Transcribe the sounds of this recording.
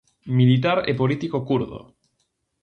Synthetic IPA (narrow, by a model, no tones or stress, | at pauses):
milit̪̬aɾḛpolit̪ikokuɾðo̰